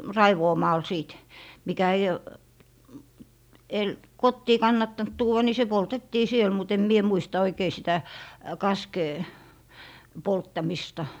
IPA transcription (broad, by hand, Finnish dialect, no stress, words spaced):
rɑiʋoːmɑːl siˑt mikæ ei el kotːiː kɑnːɑtːɑnt tuːw̆ɑ ni se poltetːiː siel mut em mie muistɑ oikei sitæ kɑskeː poltːɑmistɑ